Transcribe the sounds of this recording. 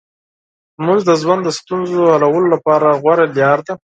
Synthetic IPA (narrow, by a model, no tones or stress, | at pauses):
muzd̪əzwand̪əst̪unzohalawəlolapɑɾaɣwaɾaljɑɾd̪a